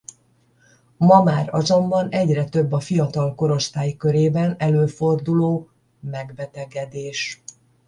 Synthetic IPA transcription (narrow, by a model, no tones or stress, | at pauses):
mɒmaːɾɒzo̞mbɒnɛɟrɛt̪ø̞bːɒfijɒt̪ɒlko̞ɾo̞st̪aːjkø̞ɾeːbɛnɛløːfo̞rd̪uloː | mɛɡbɛt̪ɛɡɛd̪eːʃ